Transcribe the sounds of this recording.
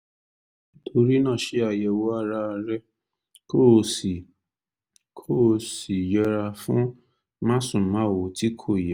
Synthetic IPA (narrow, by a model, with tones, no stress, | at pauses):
tʰo˧ɾi˦nã˦˨ʃe˨˦a˧jɛ˧wɔ˦a˦˧˦ɾa˧ɾɛ˦ | ko˦˧˨si˨ | kʰo˦˧si˨jɛ˦˧˦ɾa˧fũ˦ | mã˦sũ˨mã˨˦˨wo˨ti˦kʰo˦˨jɛ˨˦